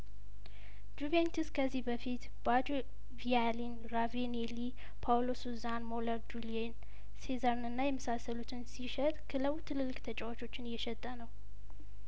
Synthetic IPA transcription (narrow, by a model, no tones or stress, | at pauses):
d͡ʒuvent̪ʰuskʰəzːihbəfit̪ | bad͡ʒ | vialin | ɾaveneli | pʰawlosuzanmoləɾd͡ʒulien | sezaɾnɨnːajɛməsasːəlut̪ʰɨnsiʃɛt̪ʼkʰɨləwt̪ʰɨlɨlːɨkʼt̪ʰət͡ʃʼɛwat͡ʃʰo̞t͡ʃːɪnjɛʃɛt̪ʼːənəw